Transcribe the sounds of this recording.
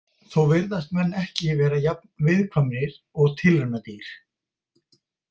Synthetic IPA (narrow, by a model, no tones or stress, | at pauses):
θowvɪɾðast̪mɛnːɛhcɪvɛːɾajap̚nvɪðkʰvamɾɪɾ̥ | ɔɣt̪ʰɪlanat̪iɾ̥